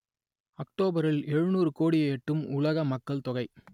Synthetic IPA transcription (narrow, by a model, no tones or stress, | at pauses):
ɐkʈoːbɐɾɪlɛɻɯnuːrɯkoːɽieːʈːɯmʊlɐɣɐmɐkːɐɭt̪ɔɣɐɪ